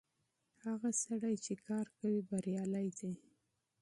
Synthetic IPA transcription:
haɣasaɽajt͡ʃekɑɾkawibaɾjɑlajd̪e

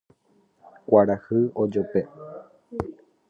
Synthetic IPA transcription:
kʷaɾahɨod͡ʒope

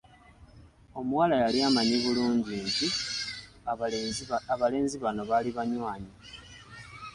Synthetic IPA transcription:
o̞muwalajaliamaɲiβuluːɲɟiɲɟi | ale̞ːnziβano̞βaliβaɲwaːɲi

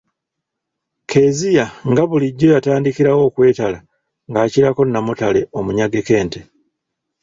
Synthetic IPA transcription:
kʰe̞ːzijaŋɡaβuliɟːojataːndikiɾawo̞ːkwe̞ːtala | ŋɡaːciɾako̞nːamutale̞omuɲaɡe̞ke̞ːnte̞

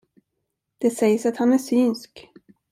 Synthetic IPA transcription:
d̪̥ɛsɛjsat̪hanæʂyːnsk

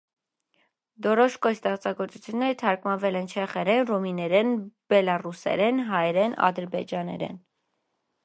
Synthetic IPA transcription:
d̪ɔɾɔʃkɔjst̪ɛχt͡sɑɡɔɾt͡sut͡sʰjunːɛɾət̪ʰɑɾkmɑnvɛlɛnt͡ʃʰɛχɛɾɛnrɔminɛɾɛnb̥ɛlɑrusɛ̰ɾɛnɦɑjɛɾɛnɑ̰d̪əɾbɛd͡ʒɑnɛ̰ɾɛ̰n

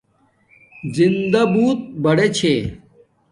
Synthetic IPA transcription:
zind̪ɐbuːt̪̚bɐɽet͡ɕʰe

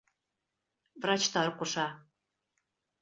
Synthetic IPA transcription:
vrɑt͡ɕt̪ɑɾkoʃɑ

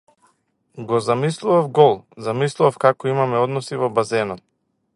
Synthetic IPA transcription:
ɡɔzamislˠuvafɡɔlˠzamislˠuvafkakɔimamɛɔd̪nɔsivɔbazɛna

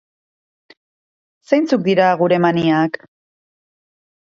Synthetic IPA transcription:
sejnt͡suk̚d̪iɾaɣuɾe̞maniak

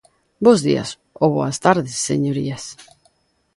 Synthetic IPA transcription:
bozðḭɐ̰s | oβoast̪aɾðɪsːḛɲoɾḭɐs

